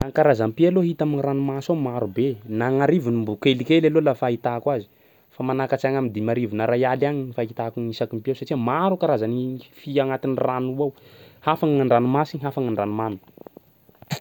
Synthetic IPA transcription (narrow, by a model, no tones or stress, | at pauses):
aŋkaɾazampialoɦit̪aminiɾanumasawmaɾubenaŋaɾivunimbukelikelalolafait̪akwazi̥ | famanakat͡saŋamind̪imaɾivunəɾajalaɲnifait̪akuɲisakimpiawsaʈ͡ʂiəmaɾukaɾazanifiaŋat̪iniranuawhafaŋaɳɖ͡ʐanumasiɲiɦafaŋaɳɖ͡ʐanumanu